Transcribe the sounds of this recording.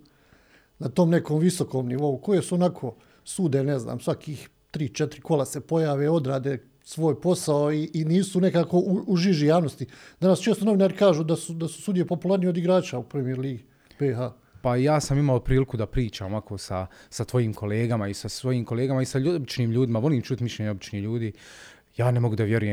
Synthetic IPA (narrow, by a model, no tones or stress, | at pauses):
nat̪o̞ːmne̞ko̞ːmʋiso̞ko̞ːmniʋo̞uko̞je̞suonakʰo̞ː | suːd̪enezna̰ːmsʋakʰiːx | t̪ɾiːt͡ʃet̪ɾiko̞lase̞po̞jaːʋeo̞d̪ɾaːd̪eː | sʋo̞ːjpo̞saoiːniːsune̞kaːko̞ʔuuʒiʒijaːʋno̞st̪id̪anast͡ʃeːst̪ono̞ʋinaːɾikaːʒuːd̪asud̪asu̥sud̪ijepo̞pulˠaːɾnijeod̪iɡɾaːt͡ʃaupɾemijeɾliːɡ | beɦa | pajaːsamimaopɾiːlikud̪apɾiːt͡ʃaːmoakʰoːsasat̪ʋo̞jiːmkʰo̞le̞ːɡamaisasʋo̞jiːmko̞leːɡamaisabit͡ʃniːmʎuːd̪imaʋo̞liːmt͡ʃuːt̪miʃʎeɲeobit͡ʃniːhʎuːd̪iː | jaːnemo̞ɡud̪aʋjeɾujem